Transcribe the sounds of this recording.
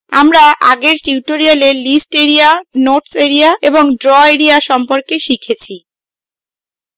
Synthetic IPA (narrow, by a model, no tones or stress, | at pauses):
amɾaʔa̰ɡeɾʈiuʈoɾialelisʈeɾianoɾʈseɾiaeboŋɖɾɔeɾiaʃɔmpoɾkeʃikʰet͡ɕʰi